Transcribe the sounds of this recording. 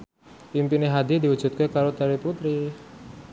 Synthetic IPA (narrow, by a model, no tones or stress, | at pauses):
impineɦad̪id̪iwu̥ʒ̥ṳt̪̚kekaɾod̪aɾiput̪ɾi